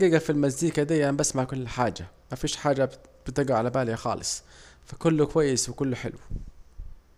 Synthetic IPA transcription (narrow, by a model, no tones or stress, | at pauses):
ɡiːɡafilmazd̪iːkad̪æjːʔæmbasmaʕkʊlːħaːd͡ʒa | mæfiːʃħaːd͡ʒab̥ɪt̪ɪɡaʕalabaːljaxɑ̰ːlɨ̰sˤfakʊlːkwajːɪswɪkʊlːħɪ̰lw